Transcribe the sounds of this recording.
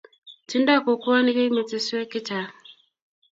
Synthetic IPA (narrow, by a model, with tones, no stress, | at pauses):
ti˦nda˦˨ko˨ku˦a˦ni˦ke˦mi˨t͡se˨su˦e˦ki˦ta˨